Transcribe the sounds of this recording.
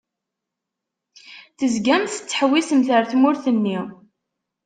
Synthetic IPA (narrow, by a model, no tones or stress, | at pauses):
θəzɡæmθə̥t͡sːə̥ħwisəmθəɾθmʊɾθənːi